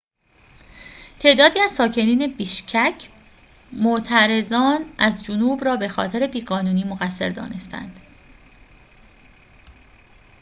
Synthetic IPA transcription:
t̪ʰe̞ːʔd̪ɒːd̪iːæzsɒːcʰe̞niːne̞biːʃcʰæcʰ | moʔt̪ʰæɾe̞zɒːnʔæzd͡ʒonuːbrɒːbe̞xɒ̰ːt̪ʰe̞ɾe̞biːɣɒːnuːniːmoɣæsːe̞̰ɾd̪ɒ̰ːne̞st̪ʰæ̰nd̪̥

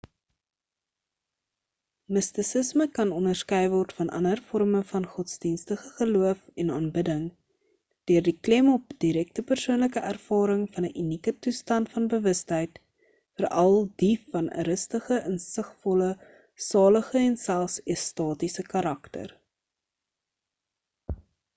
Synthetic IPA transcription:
məstisəsməkɐnɔndərskœjvɔrtfɐnʔɐ̰nərfɔrməfɐnχɔtsdinstəχəχəluəfɛnɑːnbədəŋ | d̥øərdiklɛmɔp̚d̥iɾɛk̚təpərsuənləkəʔærfɑːɾəŋfɐnəʔinikətustɐntfɐnbəvəstɦɛjt | fəɾɐlˠdifɐnə̰ɾəstəχəʔənsəχfɔlə | sɑːləχəɛnsælˠsɛstɑːtisəkɐɾɐktə̰r

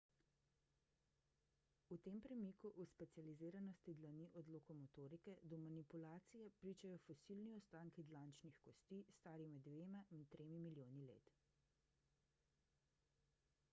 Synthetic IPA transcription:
ut̪eːmpɾɛmiːkuʔuspɛt̪sializeːɾanɔst̪id̪laniʔɔd̪lɔkɔmɔt̪oːɾikɛd̪ɔmanipulaːt̪sijɛpɾiːt͡ʃajɔfɔsilniɔst̪aːŋkid̪laːnt͡ʃnixkɔst̪iːst̪aːɾimɛd̪ʋeːmaint̪ɾeːmimiljoːnilḛːt̪

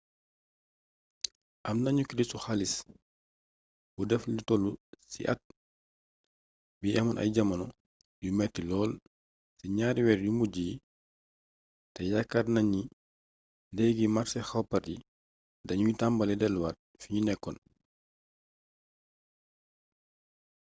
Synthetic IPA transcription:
ʔɐmnaɲuklistuxalis | budɛflitɔlusḭʔa̰t̚ | biɛmɐnʔɐ̰jɟɐmɐnɔ | jumɛtːilɔːl | siɲaːɾiwɛɾjumuɟi | tɛjakːarnaɲi | dɛɡimaɾsɛxawpaɾi | dɐɲujitambalɛdɛlwar | fiɲunɛkːɔn

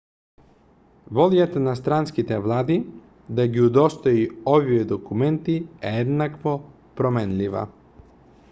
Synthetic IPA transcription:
voljat̪nast̪ɾanskit̪ɛvlˠaːd̪i | d̪aɡiud̪ost̪oiovijed̪okumɛnt̪ieed̪nakvo | pɾomɛnlʲiʋa̰

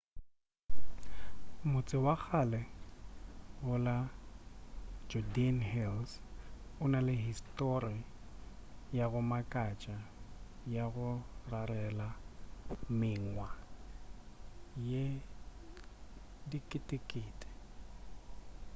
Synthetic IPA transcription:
mʊt͡sʼɪwak͡xʰalɛ | ɣʊla | d͡ʒɔdianhɛls | ʊnalɪɦistʼɔri | jaɣʊmakʼat͡ʃʼajaɣʊrarɛla | mɪŋwa | je | dikʼɪtʼɪkʼɪːtʼɪ̥

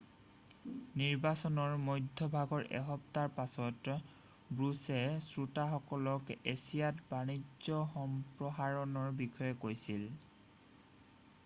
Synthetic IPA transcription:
niɹbasɔnɔɹmojdʱːɔbʱaɡɔɹʔɛ̰ɦɔp̚taɹpasɔt | bɹusɛsɹutaxɔkɔlɔkesijatbanizɔxɔmpɹɔɦaɹɔnɔɹbixɔjɛkojsil

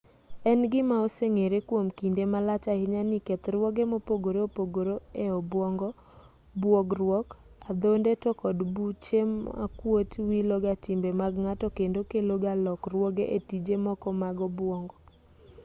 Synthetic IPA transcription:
ɛnɡɪmaoseŋeɾekwomkindemalat͡ʃaɪɲanɪkɛt̪ɾwɔɡemopoɡoɾoopoɡoɾoeɔbwɔŋɡɔ | bwɔɡrwɔkad̪ondetɔkɔdbut͡ʃema̰kwotwiloɡatɪmbemaɡŋatɔkendokeloɡalɔkrwɔɡeʔetid͡ʒemɔkɔmaɡɔbwɔŋɡɔ

